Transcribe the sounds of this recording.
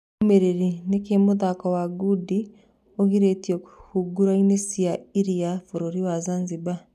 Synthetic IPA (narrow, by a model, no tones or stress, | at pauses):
meɾeɾinekemoðakɔwaɡudi | oɣiɾetiɔhuɡuɾainesiaiɾiafoɾoɾiwazaːnziba